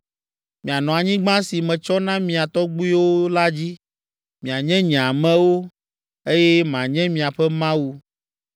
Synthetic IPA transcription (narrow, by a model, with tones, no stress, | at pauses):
mĩ˨a˨nɔ̃˨a˨ɲĩ˦ɡ͡bã˦si˨mɛ̃˨t͡ʃɔ˦nã˦mĩ˨a˨t̪ɔ˦ɡ͡bu˦i˦wo˦la˦d͡ʑi˦ | mĩ˨a˨ɲɛ̃˦ɲĩ˨a˨mɛ̃˦wo˦ | e˦jɛ˦mã˨ɲɛ̃˦mĩ˨a˨ɸɛ˦mã˦wu˦